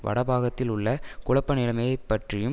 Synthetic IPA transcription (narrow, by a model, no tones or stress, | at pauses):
ʋɐ̰ɽɐbaːɣɐt̪ːɪlʊɭːɐkʊɭɐpːɐnɪlɐmɐjɐɪpːɐʈrɪjɯm